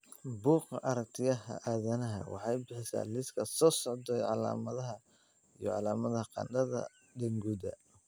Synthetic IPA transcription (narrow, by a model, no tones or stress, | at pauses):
buːqɑʔɐɾɐkt̪ʰɪjɐɦɐ̰ʔaːðɐnɐɦɐ̰wɑ̰ħɑjbɪħɪsa̰ːlɪskʰɐsɔːsɔʕd̪ɛjʕɑla̰ːmɐðɐɦɐ | ijɔ̰ʕɑ̰laːmɐðɐhɐqɑ̰nɖɐðɐ̰ | ɖɐŋɡuːd̪ɐ̰